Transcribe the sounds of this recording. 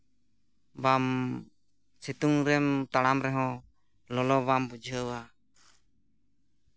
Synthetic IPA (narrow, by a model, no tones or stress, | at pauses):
bam | sit̪uŋɾɛmt̪aɽamɾɛɦɔ̃ | lɔlɔbambud͡ʒʱəwa